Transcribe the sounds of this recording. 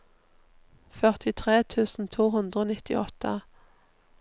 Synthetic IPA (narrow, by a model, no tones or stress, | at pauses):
fœʁt̪ʰɪt̪ʰʁeːt̪ʰʉːsn̩t̪ʰuːhʉnd̪ʁəoːnɪt̪ɪ̰ʔɔt̪ə